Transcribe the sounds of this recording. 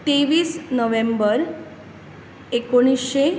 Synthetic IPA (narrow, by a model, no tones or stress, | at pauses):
t̪eʋiːsnəʋembəɾ | ekoɽ̃isɕe